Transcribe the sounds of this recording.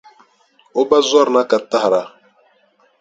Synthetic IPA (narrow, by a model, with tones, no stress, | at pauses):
o˦ba˦zwa˦˨ɾna˦ka˨ta˦hɾa˨